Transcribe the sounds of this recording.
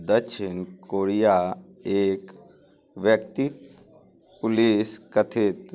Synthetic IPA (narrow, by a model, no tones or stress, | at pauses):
d̪əʃinkoɾija | eːk | ʋjəkt̪ik | puliskət̪ʰit̪